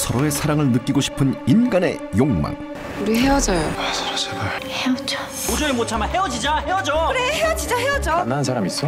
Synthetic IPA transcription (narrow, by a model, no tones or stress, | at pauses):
sʰʌɾoe̞sʰaɾaŋɯɭnɯk͈iɡoɕʰi̥pʰɯninɡane̞ | joŋma̰ŋ | uɾiɦewʌd͡ʑajoasʰʌɾosʰaɡaheʌt͡ɕo | uɾiemot͡ɕʰamahe̞wʌd͡ʑid͡ʑahe̞wʌd͡ʑoɾeheʌd͡ʑid͡ʑahewʌd͡ʑoanːansʰaɾamis͈ʌ